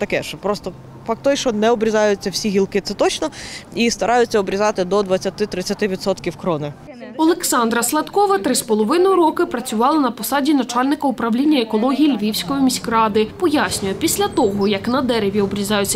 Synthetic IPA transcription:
t̪ɐkɛʃt͡ʃɔpɾɔst̪ɔ | fɑk̚t̪ɔjʃt͡ʃɔnɛɔbɾʲɪzɑjʊt͡sʲːɐwsʲiɦʲilˠkɪt̪sɛt̪ɔt͡ʃnɔist̪ɐɾʔɑjʊt͡sʲːɐɔbɾʲizɑt̪ɪd̪ɔd̪ʋɐt͡sʲːɐt̪ɪt̪ɾɪt͡sʲːɐt̪ɪʋʲid̪sɔt̪kʲiwkɾɔnɪ | ɔlˠeksɑnd̪ɾɐslˠɐt̪kɔʋɐt̪ɾɪspɔlˠɔʋɪnɔjʊɾɔkɪpɾɐt͡sʲʊʋɑlˠɐnɐpɔsɑdʲinɐt͡ʃɑlʲnɪkɐupɾɐwlʲinʲːɐekɔlˠɔɦʲijilʲʋʲiwsʲkɔjimʲisʲkɾɑd̪ɪpɔjasʲnʲʊjɛpʲisʲlʲɐt̪ɔɦɔjɐknɐd̪ɛɾeʋʲjiɔbɾʲizɑjʊt͡sʲːɐ

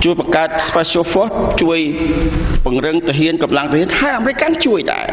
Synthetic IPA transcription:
t͡ɕuəjɓɑŋkaət̪̚spasoːfoht͡ɕuəj | pʊ̆əŋrɨŋt̪ɨəɦiənkɑmlaŋt̪əhiənʰaəʔaːmeɾɨc̚kaŋt͡ɕuəjɗa̰ɛ

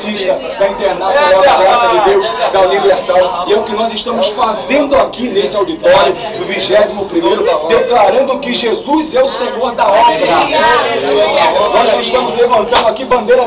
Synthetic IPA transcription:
t̪iʃt̪ɐd̪ɐĩnt̪eɾnasjonawd̪ɐɡɾasɐd̪ɪd̪ewsd̪ɐlimiasɐ̃w̃ɪɛʊkɪnɔzɪʃt̪ɐ̃mʊsfazẽnd̪ʊakinesɪawd̪it̪ɔɾjʊ | d̪ʊviʒɛzimʊpɾimejɾʊd̪eklaɾɐ̃nd̪ʊkɪʒezuzɛʊseɡoɐd̪ɐot̪ɾ | nɔzʃkiʃt̪ɐ̃mʊzlevɐ̃nt̪ɐ̃ñd̪ʊakibɐ̃nd̪ejɾɐ

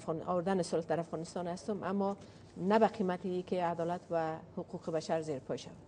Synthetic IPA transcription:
ɔwʊɾd̪anɪsʊlhd̪aɾafɣɔnɪst̪ɔnhast̪ʊmʔa̰mːɔ | nabaqʰimat̪iiːkead̪ɔːlat̪vahʊqʰuqʰebaʃaɾzeɾpʰɔjʃa̰va

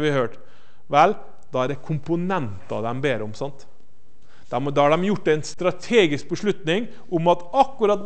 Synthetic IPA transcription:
ʋɪhøːʈ | ʋɛl | d̪ɑːæɾd̪ɛkʰʊmpʊnɛnt̪ɑ̰d̪ɛmbeːɾəʊmsɑnt̪ | d̪̥ɛmd̪ɑɑɖɛmjʊʈːæɪnst̪ɾɑt̪ʰeːɡɪsk̚bəʂɭʉt̪nɪŋ | ʊmɑt̪ɑkːʉɾɑt̪̚

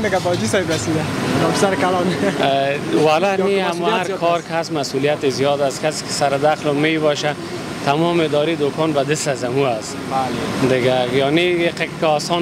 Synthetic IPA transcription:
d̪ɪɡabɔd͡ʒisajbɾasid̪anɔpsaɾkalɔn | walaniamuaɾkʰɔɾkɪasmasulijat̪ezijɔd̪askase̥kɪ̥saɾɪd̪axlomebɔʃa | t̪ʰamɔmed̪ɔɾid̪okʰɔnbad̪ɪst̪azamuas | ald̪ɪɡajɔniqekkɔsɔ

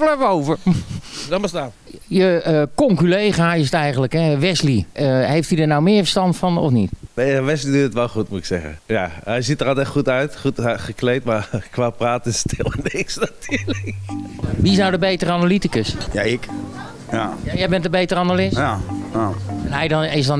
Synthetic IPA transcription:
əlɛvowvəɹdɔnmbəstaːn | jəəkɔŋkylejχaːjəs̬ətɛjχənləkɦɛʋɛsliəɦejftidəɹnawmɪːɹfəɹstɑntfɑnɔ̰fnḭtʋeʋɛslidutətʋɛlˠχutmutɪksɛ̰χə̰nja̰ɛjzitərɑlˠtɛχutœɥtχutχəklejtmaɹkʋaːpraːtɪnstʰɪlˠɛnɪksnatʰyːləkʋiɪsnawdəbejtəɾəanalitikəsjaɪk | jajɛjbɛntəbejtərəanalɪs | ɛnɦɛjdnɪsdɑn

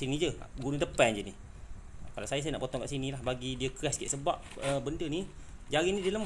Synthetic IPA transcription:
sinid͡ʒə̰ɡunut̪əpɛnd͡ʒəni | kalawsajasajana̰ʔpot̪ɔŋkaʔsinĩlahbaɡidiəkɾɛskiʔsəbaʔ̚əbəndəni | d͡ʒaɾinĩdiələm

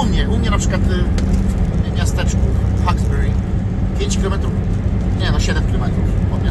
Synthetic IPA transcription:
umɲɛʔumɲɛnapʂɘkwat̪ | ɲɛmʲast̪ɛt͡ʂkuxaɡzbɛɾi | pʲjeɲt͡ɕkʲilɔmɛt̪ɾuf | ɲɛnaɕɛd̪ɛfkʲilɔmɛt̪ɾufɔmɲʲa

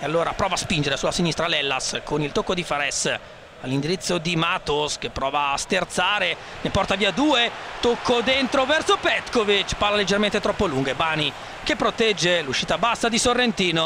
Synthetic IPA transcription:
ealːoːɾapɾɔːvaːspind͡ʒeɾesulasinist̪ɾalɛlːaskonilt̪okːod̪ifaɾɛs | alːind̪iɾit̪sːod̪imaːt̪osk̟epːɾɔːvaːsk̪ert̪saːɾe | nepɔrt̪aviːad̪uːet̪okʰːod̪ent̪ɾovɛrsopɛt̪kovit͡ʃparlaled͡ʒːerment̪et̪ɾɔpːoluŋɡebaːni | kepːɾot̪ɛd͡ʒːeluʃːiːt̪abasːad̪isorːent̪iːno

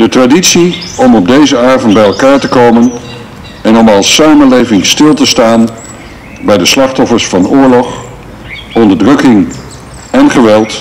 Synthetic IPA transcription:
d̥ətraditsiɔmɔb̚dejzəaːɹvəndbɛjɛlˠkaːɹtəkowmən | ɛnɔmɑlˠsaːmənlejvɪŋstɪlˠtəstaːn | bɛjdəslɑχtɔfəɹsfɑnʊːɹlɔχ | ɔndəɹdrɵkɪŋ | ɛnχəʋɛlˠt

